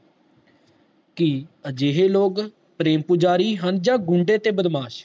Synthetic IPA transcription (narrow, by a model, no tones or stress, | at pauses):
kiəd͡ʒeːɦeːloːɡ | pɾeːmpʊd͡ʒaːɾiːɦənd͡ʒãːɡʊɳɖeːt̪eːbəd̪maːʃ